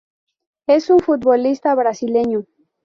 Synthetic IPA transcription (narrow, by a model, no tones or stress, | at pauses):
e̞suɱfut̪̚βolist̪aβɾasile̞ɲu